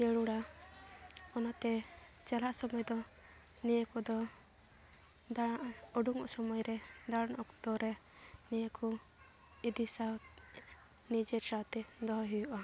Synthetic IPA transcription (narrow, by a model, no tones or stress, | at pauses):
t͡ʃɛɽuɽa | ɔnat̪ɛ | t͡ʃɛlaʔsɔmɔjd̪ɔ | nijəkɔd̪ɔ | d̪aaʔɔɖuŋɔ̰ʔsɔmɔjɾɛd̪aɽnʔɔkd̪ɔɾɛ | nijəkʰɔ | id̪isaw̪ | nid͡ʒɛɾsawt̪ɛd̪ɔɦɔɦijuʔa